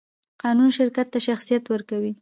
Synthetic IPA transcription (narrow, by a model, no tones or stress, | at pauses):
qɑnunʃɪɾkat̪ːaʃaxsijat̪wəɾkawi